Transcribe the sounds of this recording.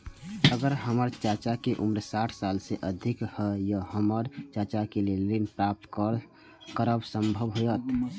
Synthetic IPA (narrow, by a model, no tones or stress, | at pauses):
əɡəɾɦəməɾt͡ʃat͡ʃakeʔumɾsaʈʰsalseʔəd̪ʱikhəjəhəməɾt͡ʃat͡ʃakelelinpɾap̚t̪ | kəɾəbsəmbʱəbɦojət̪